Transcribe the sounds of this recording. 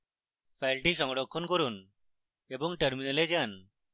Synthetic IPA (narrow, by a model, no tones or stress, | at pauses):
pʰajlʈiʃɔŋɔɖɔkʰːɔnkoɾun | ebɔŋʈəɾminaled͡ʒan